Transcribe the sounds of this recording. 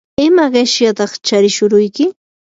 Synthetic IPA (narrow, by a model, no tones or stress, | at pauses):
ɪmaɢeʃjat̪ɑχt͡ʃaɾɪʃʊɾʊjkɪ